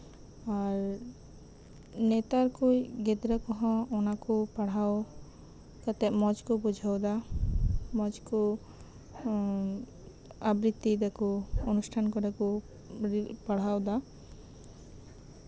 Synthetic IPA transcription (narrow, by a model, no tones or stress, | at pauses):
aɾ | nɛt̪aɾkujɡɛd̪ɾəkɔɦãɔnakupaɽ̤aw | kat̪ɛmɔd͡ʒkubud͡ʒʱawd̪a | mɔd͡ʒku | abɾit̪ːid̪akuonusʈʰankɔɖaku | ɾipaɽ̤awd̪a